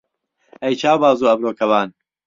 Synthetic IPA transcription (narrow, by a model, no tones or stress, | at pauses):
ɐjt͡ʃaːwbaːzuːɐbɾoːkʰɐwaːn